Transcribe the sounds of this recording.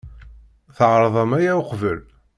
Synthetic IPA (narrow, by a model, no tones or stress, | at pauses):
θəʕɾˤðˤɑmæjæʊqvəl